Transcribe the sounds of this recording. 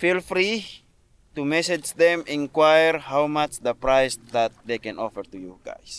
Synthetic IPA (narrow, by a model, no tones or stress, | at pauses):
filfɾi | t̪umɛsɛd͡ʒd̪ɛmĩŋkwajərhawmat͡ʃd̪əpɾajsd̪at̪̚dekɛ̃nɔfɛrt̪ujuɡa̰js